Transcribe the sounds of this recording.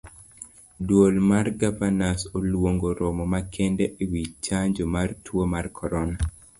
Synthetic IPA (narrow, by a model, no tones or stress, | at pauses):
dwolmarɡavanasolwoŋɡoɾɔmɔmakʰɛndeʔiwit͡ʃaɲd͡ʒomartwomarkʰɔɾɔna